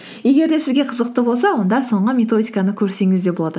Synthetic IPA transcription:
je̞ɡʲe̞ɾd̪e̞sɪzɡʲe̞qʰəzəq̚t̪əbo̞lˠsɑwo̞nd̪ɑso̞ɴʁəmʲe̞t̪o̞d̪ʲijkɑnəkʲʰɵɾse̞ŋɪzd̪e̞bolˠɑd̪ə

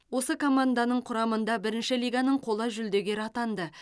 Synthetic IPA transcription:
wo̞səkʰo̞mand̪anəɴqʰʊɾɑmənd̪ɑbɪɾɪnʃɪlijɡɑnəɴqʰo̞lˠəʒʏld̪e̞ɡʲe̞ɾɑt̪ɑnd̪ə

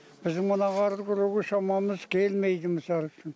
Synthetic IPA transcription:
b̥ɪzd̪ɪŋmənɑʁɑɾɾkʲʊɾeɡʲeʃɑmɑməzkʲʰelmejd̪ɪmɪsɑlˠəʃɪn

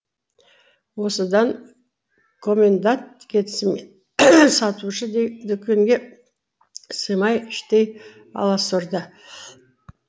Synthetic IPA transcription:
wo̞səd̪ɑŋ | kʰo̞mʲe̞nd̪ant̪kʲʰe̞t̪ɪsɪme | sɑt̪uʃəd̪d̪ʏkʲʰːeŋɡʲe̞ | səjmɑjɪʃt̪ej | ɑ̰lˠɑsəɾd̪ə

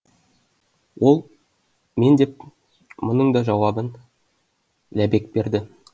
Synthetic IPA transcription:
wo̞lˠ | me̞nd̪e̞p̚ | monəɴd̪ɑʒɑwɑbən | læbe̞k̚be̞ɾd̪ɪ

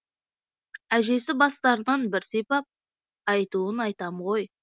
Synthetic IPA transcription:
æʒe̞sɪbɑst̪ɑɾənənbɪɾsepɑp̚ | ɑjt̪uənɑjt̪ɑmʁo̞j

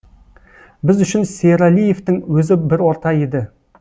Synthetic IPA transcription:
bɪzʏʃɪnseɾalije̞ft̪ɪŋwɵzɪbɪɾwo̞ɾt̪ɑe̞d̪ɪ

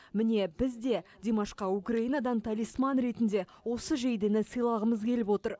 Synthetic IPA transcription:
mɪne̞bɪzd̪e̞d̪ʲemɑʃqɑukraijnɑd̪ɑnt̪ʰalijsmɑnɾe̞t̪ɪnd̪e̞ | wo̞səʒejd̪enɪsəjlˠɑʁəməzkʲʰe̞lɪpwo̞t̪əɾ

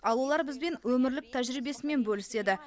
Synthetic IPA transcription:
ɑlˠwolˠɑɾbɪzbe̞nwɵmɪɾlɪk̚t̪ʰæʒɾijbe̞sɪme̞nbɵlɪse̞d̪ɪ

